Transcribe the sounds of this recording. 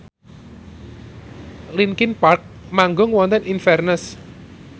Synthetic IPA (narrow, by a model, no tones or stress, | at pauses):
linkɪnpark̚ | maŋɡʊŋwɔnt̪ɛnʔinfɛrnəs